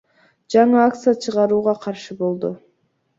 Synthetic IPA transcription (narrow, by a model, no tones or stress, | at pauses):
d͡ʒɑɴɯak̚t̪sɨjat͡ʃʰɯʁɑɾuːʁɑqʰɑɾʃɯbo̞lˠd̪ʊ